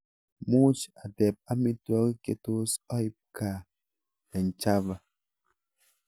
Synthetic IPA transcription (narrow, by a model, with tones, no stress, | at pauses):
mu˦t͡ʃa˨dɛ˨p̚a˦mi˦twɔ˦ki˦ke˨to˦sɔ˦i˦p̚ka˨ | ɛ˨n̩˨t͡ʃa˦va˨